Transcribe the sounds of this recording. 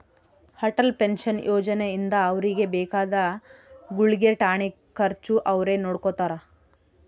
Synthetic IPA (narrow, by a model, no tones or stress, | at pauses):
hɐʈɐlpenʃɐnjʔoːd͡ʒɐneind̪ɐːʋɾiɡe̞bɛːkaːd̪ɐɡuɭiɡeʈaːɳi | kːɐɾt͡ʃuʔɐʋɾe̞noːɽkot̪aːɾɐ